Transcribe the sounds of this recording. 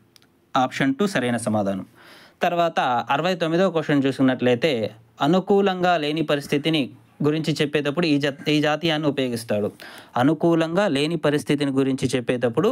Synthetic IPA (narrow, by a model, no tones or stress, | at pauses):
aːpʂɐnʈusɐɾɐjnɐsɐmaːd̪ʱaːnɐm | t̪ɐɾʋaːt̪ɐɐɾɐʋɐjt̪omːid̪oːkɔːʂɐnt͡ʃuːskunːɐʈlɐjt̪e̞ː | ɐnukuːlɐŋɡaːle̞ːnipɐɾist̪ʰit̪ini | ɡuɾiɲt͡ʃit͡ʃɛpːɛːd̪ɐpːuɽuiːd͡ʒaːt̪ijaːnːiupɐjo̞ːɡist̪aːɽuɐnukuːlɐŋɡaːle̞ːnipɐɾist̪ʰit̪̬iniɡuɾiɲt͡ʃit͡ʃɛpːɛːd̪ɐpːuɽu